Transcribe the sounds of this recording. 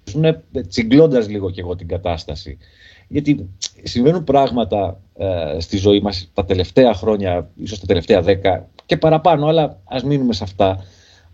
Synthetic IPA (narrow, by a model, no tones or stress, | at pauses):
sune̞t͡siŋɡlo̞nd̪ɐzliɣo̞ce̞ɣo̞t̪iŋɡɐt̪ɐst̪ɐsḭ | ʝɐt̪isiɱve̞numpɾɐɣmɐt̪ɐ | st̪izo̞imɐst̪ɐt̪e̞le̞ft̪e̞ɐxɾo̞ɲɐiso̞st̪ɐt̪e̞le̞ft̪eɐðe̞kɐce̞pɐɾɐpɐnoɐlɐɐzminume̞sɐft̪ɐ